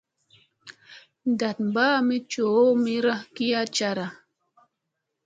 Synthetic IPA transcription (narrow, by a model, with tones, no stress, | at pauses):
nd̪a˨t̪mba˦mi˦t͡ʃo˨˦mi˦ɾa˦ki˦a˦t͡ʃa˧ɾa˨